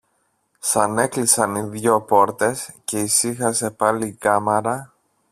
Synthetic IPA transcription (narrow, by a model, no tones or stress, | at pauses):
sɐne̞klisɐniðʝo̞po̞ɾt̪e̞sce̞isixɐse̞pɐliːkɐmeɾɐ